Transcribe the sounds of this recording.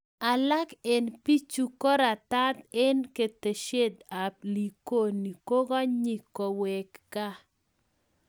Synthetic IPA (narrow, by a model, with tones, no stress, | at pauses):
a˨la˦ke˨npi˦t͡ʃu˦ko˦ɾa˨t̪a˦t̪ɛ˦nke˨t̪e˨ʃe˦d̪a˨p̚li˨ko˦ni˨ko˦ɡɔ˦ɲi˦˨ko˨wɛ˨kːa˦